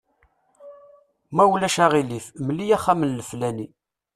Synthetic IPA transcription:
mæwlæʃaʁilifmlːijæχːæmənləflæni

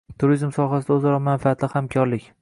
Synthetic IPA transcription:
t̪ʰʊɾizmsɒɦasɪd̪aɵzaɾɒmanfaat̪lɪhamkʰɒɾlɪkʲ

